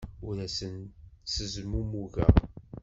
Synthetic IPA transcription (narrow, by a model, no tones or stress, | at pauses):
ʊɾæsənsəzmumuʝæ̰